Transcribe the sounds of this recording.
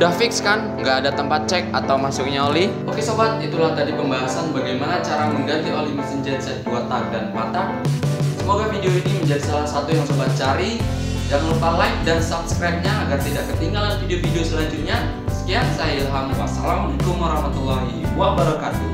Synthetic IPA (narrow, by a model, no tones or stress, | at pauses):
dahfɪkskanŋɡaʔːdat̪əmpat̪̚t͡ʃɛk̚at̪awmasʊk̚ɲaolɪ | okesobat̪̚it̪ulaht̪adipəmbaɦasanbaɡajmanat͡ʃaɾaməŋɡant̪ɪʔalimasənd͡ʒɛt̪̚sɛt̪̚duat̪ak̚danmat̪a | səmoɡafideoiniməɲd͡ʒadisalahsat̪ujaŋsobat̪̚t͡ʃaɾi | jaŋlupalaɪk̚dansap̚skɾajp̚ɲaːɡart̪idakːət̪iŋɡalanfideofideosəlaɲd͡ʒʊt̪̚ɲa | sə̥kiansajaalɦamwa̰sa̰lamdukʊmaɾɔhmat̪ulːɔhiwabaɾɔkat̪u